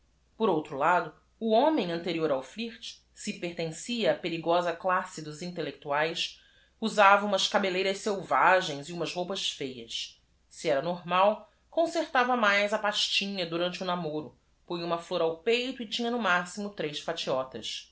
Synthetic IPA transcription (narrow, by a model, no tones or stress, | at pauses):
poɾowt̪ɾʊlad̪ʊ | uõmẽj̃ɐ̃nt̪eɾioɾawfliht͡ʃ | sɪpeɾt̪ẽsiɐːpeɾiɡɔzɐklasɪd̪ʊzĩnt̪elek̚t̪uajs | uzavɐũmɐʃkabelejɾɐʃsewvaʒẽj̃ziũmɐzhowpɐsfejɐs | siɛɾɐnoɾmaw | kõseɾt̪avɐmajzɐpaʃt͡ʃĩɲɐd̪uɾɐ̃nt͡ʃɪunamoɾʊ | põjũmɐfloɾawpejt̪ʊɪt͡ʃĩɲɐnʊmasimʊt̪ɾejsfat͡ʃiɔt̪ɐ̰s